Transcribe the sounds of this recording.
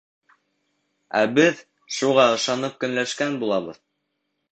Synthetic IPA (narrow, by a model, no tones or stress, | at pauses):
æ̰bɘð | ʃuʁɑɤ̆ʃɑnɤp̚kɵ̆nlæʃkænbulˠɑβɤð